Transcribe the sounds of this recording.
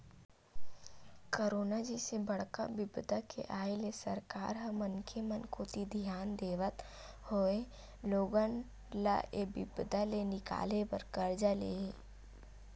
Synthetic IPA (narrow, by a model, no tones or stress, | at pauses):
koɾoːnad͡ʒisebəɽ̤ka̰bɪbd̪akʰḛʔaːelesə̰ɾkaːɾɦəmənkʰemənkʰoːt̪id̪ʱijaːnd̪eːʋət̪ | hoːe | loːɡən | la̰ʔebɪ̰bd̪alenɪka̰ːlepəɾkəɾd͡ʒaːlḛɦe